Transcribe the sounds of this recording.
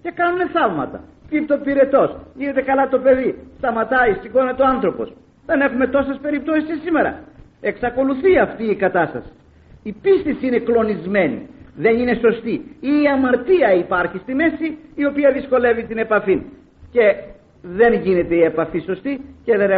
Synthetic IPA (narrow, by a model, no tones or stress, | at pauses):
ce̞kɐnune̞θɐvmɐ̰t̪ɐ̰ | pit̪o̞piɾe̞t̪o̞sʝine̞t̪e̞kɐlɐt̪o̞pe̞ðist̪ɐmɐt̪ɐist̪ixoinet̪o̞ɐnθɾo̞po̞̰s | ðe̞ne̞xume̞t̪o̞se̞spe̞ɾip̚t̪o̞sisisime̞ɾɐ̰e̞ksɐko̞luθiɐft̪iːkɐt̪ɐst̪ɐ̰si̥ | ipist̪esiine̞klo̞nizme̞nḭðe̞nine̞so̞st̪iiːɐmɐɾt̪iɐipɐɾçist̪ime̞siːo̞piɐðisko̞le̞vit̪ine̞pɐfin | ce̞ | ðe̞nʝine̞t̪eie̞pɐfiso̞st̪ice̞ðen